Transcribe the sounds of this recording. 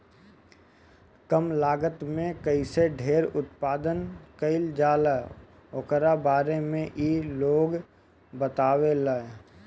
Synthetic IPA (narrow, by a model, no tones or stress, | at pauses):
kəmlaːɡət̪mẽkəiseɖʱeːɾʊt̪paːd̪ənkəɪld͡ʒaːla | okəɾabaːɾemẽʔiloːɡ | bət̪aːʋelae